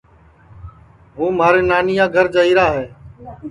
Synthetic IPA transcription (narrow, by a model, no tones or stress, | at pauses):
ɦũːmaːɾeːnaːnɪjãːɡʱəɾd͡ʒəɦiːɾaːɦeː